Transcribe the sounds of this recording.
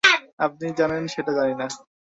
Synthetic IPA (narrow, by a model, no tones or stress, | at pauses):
ap̚nid͡ʑanenʃeʈad͡ʑanina